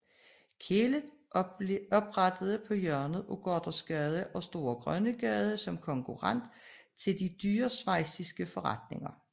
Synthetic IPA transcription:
kʰelə | ɒ̽b̥ʁɑd̥əð̞ˠəpʰɒ̽jœɐnð̩ˠoɡ̥ɒd̥ɐsɡ̥ɛð̞ˠəʔɒ̽sd̥o̝ːɐɡ̥ʁɶnəɡ̥ɛð̞ˠəsɒ̽mkʰɒ̽ŋkʰuʁɑn̰d̥ | t͡sʰe̝ld̥id̥yːɐsʋɑ̈ɪ̰sisɡ̥əfɒ̽ʁɑ̈d̥ne̝ŋɐ

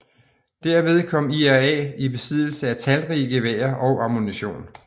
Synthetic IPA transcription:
d̥æɐ̰ʋe̝ð̞ˠkʰɒ̽m̰iæɛ̰ːib̥e̝sið̰ˠl̩səæt͡sʰælʁiːəɡ̥e̝ʋḛːɐʔɒ̽ʊʔɑ̈muniɕo̝̰ːn

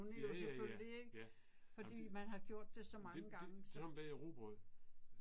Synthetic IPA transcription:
unəjoseføllieɡ̥ | fɒ̽dḭd̰ːmænɦɑ̈ɡ̥jo̝ɐ̰d̥ːe̝sɒ̽mɑ̈əɡ̥ɑ̈ŋəɒmd̥æʁob̥ʁɔðˠ

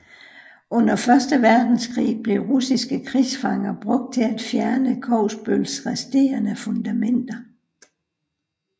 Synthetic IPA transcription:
ɔ̽n̰ɐfɶɐsd̥əʋæɐd̥n̩skʰʁḭːb̥le̝ʁusisɡ̥əkʰʁisfɑ̈ŋɐb̥ʁɔ̽ɡ̥̚d̥̚t͡sʰe̝æd̥fjæɐnəkʰɒʊsb̥ølsʁɛsd̥e̝̰ːɐnəfɔ̽nd̥æmen̰d̥ɐ

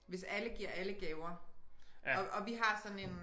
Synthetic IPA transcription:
ʋe̝sæləɡ̥iɐ̰æləɡ̥ɛːʊɐ | ɒʔɒ̽ʋiɦɑ̈sɒ̽n̩e̝n

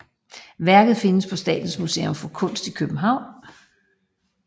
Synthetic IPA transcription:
ʋæɐɡ̥ð̩ˠfe̝nəspʰɒ̽sd̥ɛ̰ːd̥n̩smusḛːomfɒ̽kʰɔ̽n̰sd̥ikʰøb̥m̩ɦɑ̈ʊ̰n

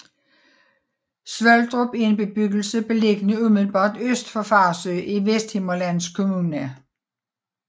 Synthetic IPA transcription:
sʋœld̥ʁob̥ienb̥e̝b̥yɡ̥l̩səb̥e̝leɡ̥ənəumð̩ˠb̥ɑ̈ːd̥øsd̥fɒ̽fɑ̈ːsøːʔiʋesd̥he̝mɐlænskʰo̝munə

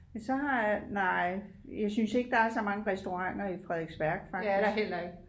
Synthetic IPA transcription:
æsɒ̽ɦɑ̈jnɑɪ̰ | jɑ̈ɪsynse̝ɡ̥̚d̥ɑ̈æɐsɒ̽mɑ̈ŋəʁɛsd̥o̝ʁɑ̈ŋ̰ɐifʁɛðˠeɡ̥sʋ̥æɐɡ̥fɑ̈ɡ̥hel̰ɐeɡ̥

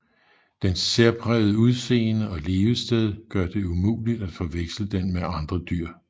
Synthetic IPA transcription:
d̥enseɐpʰʁɛð̞ˠəuð̞ˠse̝̰ːnəɒ̽le̝ːʊəsd̥eð̞ˠɡ̥ɶɐd̥e̝umṵːlid̥æd̥fɒ̽ʋeɡ̥sləd̥enmeɑ̈nd̥ʁɐd̥yɐ̰

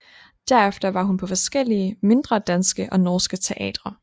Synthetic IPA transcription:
d̥æɐefd̥ɐʋɑ̈ɦunpʰɒ̽fɒ̽sɡ̥el̰iəme̝nd̥ʁɐd̥ænsɡ̥əʔɒ̽nɔːsɡ̥ət͡sʰe̝ʔɛ̰ːd̥ʁɐ

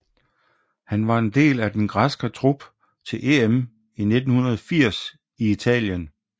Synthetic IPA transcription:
hænʋɑ̈e̝nd̥e̝̰ːlæd̥enɡ̥ʁɑsɡ̥ɐt͡sʰʁub̥ | t͡sʰe̝lʔe̝em | ine̝d̥n̩hunɐð̞ˠɒfiɐ̰s | iit͡sʰɛ̰ːljən

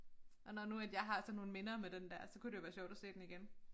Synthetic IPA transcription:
ʔɒ̽nɒnuæd̥jɑ̈ɪɦɑ̈sɒno̝ːn̩me̝nɐːmed̥end̥æɐ̰sɒ̽kud̥e̝joʋæːɐɕjɒ̰ʊ̥æse̝̰ːd̥eniɡ̥en

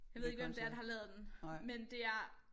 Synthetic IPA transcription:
jɑɪeðˠeɡ̥ʋemd̥eɐd̥ehɑ̈lɛːð̞ˠd̥enmend̥e̝æɐ

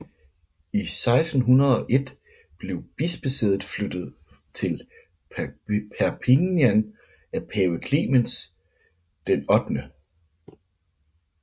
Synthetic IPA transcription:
isɑ̈ɪsd̥n̩ɦunɐð̞ˠɒ̽ʔe̝d̥ | b̥le̝ʊb̥isb̥esḛːɐð̩ˠflød̥ð̞̩ˠ | t͡sʰe̝l | pʰæɐpʰiŋjæn | æpʰɛːʊəkʰlḭːməns | d̥enɒ̽d̥nə

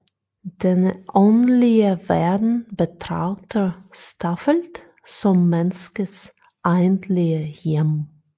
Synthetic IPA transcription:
d̥ɛnʔɔnlɪəvɛːɐdn̩bətʁ̥a̰ʊtʰəstʰafəlt | t͡sʊmːɛnskəs | ʔaɪntʰlɪəjɪm

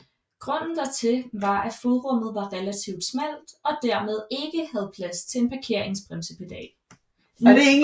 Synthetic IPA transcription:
ɡ̥ʁɔ̽n̰n̩d̥æt͡sʰe̝ʋɑ̈ʔæfoðˠʁɔ̽m̰ð̩ˠʋɑ̈ʁɛlæt͡sʰiʊd̥smæl̰d̥ɒ̽d̥æɐmeð̞ˠe̝ɡ̥əhæð̞ˠpʰlæst͡sʰe̝e̝npʰɑ̈kʰe̝ɐ̰eŋsb̥ʁɛmsəpʰed̥ɛ̰ː | de

